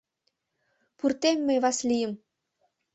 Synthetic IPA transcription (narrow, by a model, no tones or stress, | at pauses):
purt̪emːeβɑslijə̆m